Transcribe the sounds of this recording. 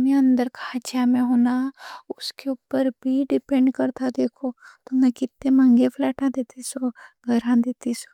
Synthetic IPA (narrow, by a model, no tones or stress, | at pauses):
meɐ̃nd̪əɾkat͡ʃjamẽɦoːnaʊskeʊpːəɾbʱiɖɪpɛ̃ɳɖkɐɾt̪ʰad̪eːkʰot̪onakɪt̪ːẽmɐ̃ŋɡepʰlɛːʈãd̪eːt̪isoɡʱɐɾãd̪eːt̪iso̥